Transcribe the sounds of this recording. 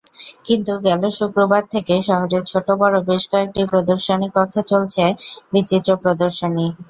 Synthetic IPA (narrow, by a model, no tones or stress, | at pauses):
kint̪uɡɛloʃukɾobad̪̚t̪ʰekeʃɔɦoɾeɾt͡ɕʰoʈobɔɾobeʃkɔek̚ʈipɾod̪oɾʃonikɔk̪ʰːet͡ɕolt͡ɕʰebit͡ɕit̪ːɾopɾod̪oɾʃoni